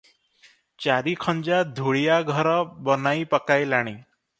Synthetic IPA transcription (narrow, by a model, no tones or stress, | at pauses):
t͡ɕaɾikʰɔɲd͡ʑad̪ʱuɭijaɡʱɔɾɔbɔnaipəkajlaɽ̃i